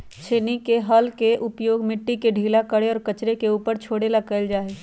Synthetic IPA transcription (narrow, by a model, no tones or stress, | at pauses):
t͡ʃʰeːnikeɦɐlkeʔʊpjoːɡmɪʈːikeɖʱiːlakəɽeɔːɾkət͡ʃɾekeuːpəɾt͡ʃʰoːɽelakəld͡ʒaːeː